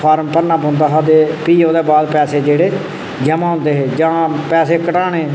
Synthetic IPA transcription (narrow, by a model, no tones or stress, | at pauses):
pʰaːɾmpənãːpõːnd̪aːsad̪eːpiːoːd̪eːbaːd̪pɛːseːd͡ʒeːɽeː | d͡ʒəmãːõːnd̪eːɦeːd͡ʒãːpɛːseːkəʈaːɳeː